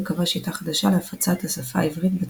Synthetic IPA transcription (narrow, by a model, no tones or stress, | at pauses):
kavaʃit̪aχad̪aʃaleafat͡sat̪asafa̰ivʁit̪be